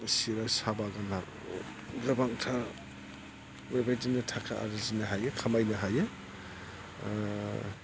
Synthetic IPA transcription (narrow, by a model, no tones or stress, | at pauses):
siɾasabaɡanak | ɡabaŋtʰa | mebajtinɐtʰakʰaʔa̰ɾɯzinɐɦajɯkʰamajnɐɦajɯ